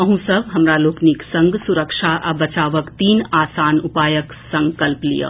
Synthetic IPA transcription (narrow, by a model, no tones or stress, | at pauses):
əɦũsəbɦɐmɾaloːkniksɐ̃ŋɡsuɾəkʃʰaʔabɐt͡ʃaːʋəkt̪iːnaːsaːnupaːjək | sɐ̃ŋkəlplḭjə̰